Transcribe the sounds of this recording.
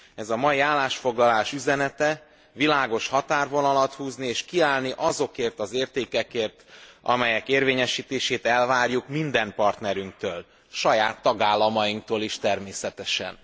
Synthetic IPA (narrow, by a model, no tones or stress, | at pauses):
ɛzɒmɒjiaːlːaːʃfo̞ɡlɒlaːʃyzɛnɛt̪ɛ | vilaːɡo̞ʃhɒt̪aːrvo̞nɒlɒt̪huːznieːʃkiaːlniʔɒzo̞keːrt̪ɒzeːrt̪eːkɛkeːrt̪ɒ̰mɛjɛkeːrveːɲɛʃiːt̪eːʃeːt̪ɛlvaːrjukmind̪ɛmpɒrt̪nɛɾyŋk̚t̪øːl | ʃɒjaːt̪ːɒɡaːlːɒmɒjiŋk̚t̪oːliʃt̪ɛrmeːsɛt̪ɛʃɛ̰n